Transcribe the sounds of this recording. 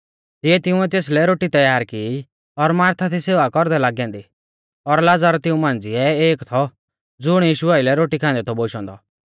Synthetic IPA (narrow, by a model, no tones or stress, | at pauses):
t̪ɪɛt̪ɪũɛt̪̬eːs̬lɛɾoːʈit̪ɐjaːɾkii | ɔɾmaːɾt̪ʰat̪ʰiseːʋakɔɾd̪ɛlaːɡjãːnd̪i | ɔɾlad͡zaːɾt̪ɪũmãːnd͡ziɛeːkt̪ʰɔ | d͡zʊɽ̃jiːʃuaːɪlɛɾoːʈikʰãːnd̪ɛt̪ʰɔboʃɔ̃ːnd̪ɔ